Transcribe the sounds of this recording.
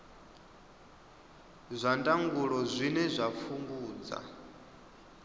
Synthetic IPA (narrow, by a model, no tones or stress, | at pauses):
zʷandʼaŋɡuɺɔzʷinɛzʷafuŋɡuːd͡za̰